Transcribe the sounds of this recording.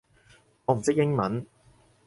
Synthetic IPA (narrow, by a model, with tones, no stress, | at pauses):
ɔː˨˧m̩˨˩sɪ˥k̚jɪ˥ŋmɐ˨˦n